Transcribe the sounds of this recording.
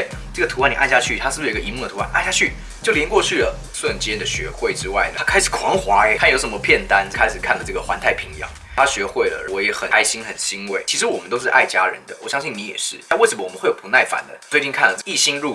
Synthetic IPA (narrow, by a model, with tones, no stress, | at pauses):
e˥˩ | ʈ͡ʂɤ˥˩ɡə˩t̪ʰu˧˥wa˥˩ni˨˩a˥˧nɕja˥˧t͡ɕʰy˥˩t̪ʰa˥ʂɻ̩˥˩bə˨i˧˥mu˥˩d̪ə˩u˧˥a˥˩nʔa̰˥˧nɕja˥˩t͡ɕʰy˥˩ | t͡ɕjo˥˩ʊljɛ˧˥nkwɔ˥˧t͡ɕʰy˥˩lə˩ | ʂwə˥˩nt͡ɕjɛ˥d̪ə˨ɕɥɛ̰˧˥xwe˥˩ɪʈ͡ʂɻ̩˥wa˥˩ɪnə˩a˥kʰa˥ɪʂɻ̩˨˩kʰwɑ˧˥ŋxwa˧˥˧t̪ʰa˥˧jo˧˥ʊʂə˧˥mə˧pʰjɛ˥˩nt̪a˥n˥kʰa˥ɪʂɻ̩˨˩kʰa˥˩nlə˩ʈ͡ʂɤ˥˩ɡə˩xwa̰˧˦nt̪ʰa˥˩ɪpʰi˧˥ŋjɑ̰˧˦ŋ | t̪ʰa˥ɕɥɛ˧˥xwe˥˩ɪlə̰˩əwɔ˧˥jɛ˧˥xə˨˩na˥ɪɕi˥nxə˨˩nɕi˧˥ŋwe˥˩ɪt͡ɕʰi˧˥ʂ̬ɻ̩˧˥wɔ˨˩mə˦t̪o˥ʊʂɻ̩˥˧ʔa̰˥˩ɪt͡ɕja˥ɻə̰˧˦nd̪ə˨wɔ˨˩ɕjɑ˥ŋɕi˥˩ŋni˧˥jɛ̰˨˩ʂɻ̩˥˩t̪a˥˧wɪʂə˧˦mə˦wɔ˨˩ə˦xwe˥˩ɪjo˨˩pu˧˦˥na˥˩ɪfa̰˨˩nd̪ə̰˦t͡swe˥˧ɪt͡ɕi˥˧nkʰa˥˩nlə˩ʈ͡ʂi˥˩ɕi˥nɻu˥˩